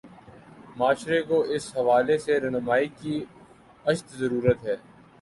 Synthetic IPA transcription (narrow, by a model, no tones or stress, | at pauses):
maːʃɾekoʔɪsɦɐʋaːleseɾɛːnʊmaːiki | ɐʃt̪zɐɾuːɾət̪ɦɛː